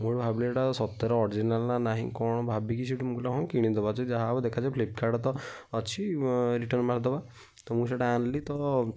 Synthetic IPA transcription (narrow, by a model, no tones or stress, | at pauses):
muɽbʱabilʈasɔt̪ːɔɾɔɔɾid͡ʒinalnanaɦḭ̃kɔɽ̃ɔbʱabikisiʈumuklaɦɔ̃kiɽ̃id̪ɔbat͡ʃʰid͡ʒaɦabd̪ekʰat͡ʃapʰlip̚kʰaɾɖt̪ɔət͡ʃʰiɾiʈənmaɾd̪ɔba | t̪ɔmũseʈaanlit̪ɔ